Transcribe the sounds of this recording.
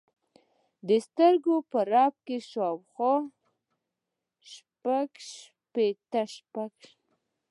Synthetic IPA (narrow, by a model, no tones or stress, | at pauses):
d̪əst̪əɾɡopəɾɑp̚keʃɑwxɑ | ʃpaɡʃ | pet̪əʃpaɡ